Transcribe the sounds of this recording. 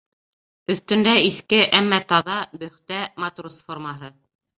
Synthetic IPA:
ɵ̆θt̪ɵ̆nd̪æiθkɘʔæmːæt̪ɑðɑbɵ̆χt̪æmat̪ursformɑɦɤ

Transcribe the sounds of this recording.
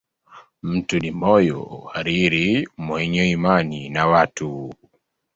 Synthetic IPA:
m̩tunimɔjɔ̰haɾiɾimwɛɲɔimaninawatu

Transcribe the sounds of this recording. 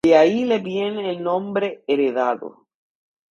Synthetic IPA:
eailebjeneːlnõmbɾeeɾeðaðo̰

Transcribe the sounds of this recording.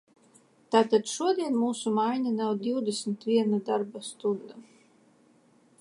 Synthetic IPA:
t̪aːt̪ad̪ʃuɔd̪iɛnmuːsumajɲʲanawd̪iwd̪esmt̪vʲiɛnad̪aɾbast̪ud̪a

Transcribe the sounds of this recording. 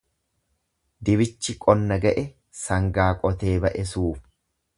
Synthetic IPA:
d̪ɪβɪt͡ʃːɪkʼɔnːɐɡɐʔɛ | sɐŋɡaːkʼɔt̪e̞ːbɐʔɛsuːf

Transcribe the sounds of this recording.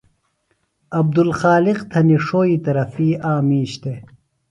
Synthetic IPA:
ɐb̚d̪ulxaːliqt̪ʰɐniʂoːiːt̪ɐɾɐfiːaːmiːɕt̪e

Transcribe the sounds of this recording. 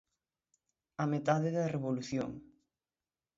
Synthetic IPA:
ɐmet̪aðɪðɐreβoluθjo̰ŋ

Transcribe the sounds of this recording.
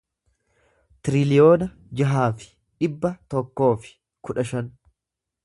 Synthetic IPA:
t̪ɪɾɪlɪjo̞ːnɐ | d͡ʒɐɦaːfɪ̥ | ᶑɪbːɐt̪ɔkːo̞ːfɪ̥ | kʊᶑɐʃɐn

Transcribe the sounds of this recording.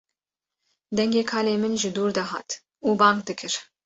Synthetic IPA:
d̪ɛŋɡʲeːkʰɑːleːmɨnʒɪd̪uːɾd̪ɑɦɑ̰ːt̪ | uːbɑːŋkd̪ɨkʰɨɾ

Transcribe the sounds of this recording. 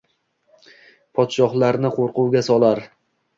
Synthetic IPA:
pʰɒt̪ʃɒχlˠaɾnɪqʰoɾqʊwɡʲasɒlˠaɾ

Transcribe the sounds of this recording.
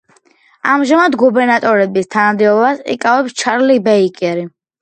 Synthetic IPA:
amʒamad̪ɡubɛɾnat̪ʼɔɾɛbist̪ʰanamd̪ɛɔbasḭkʼavɛpst͡ʃʰaɾlibɛikʼɛɾi

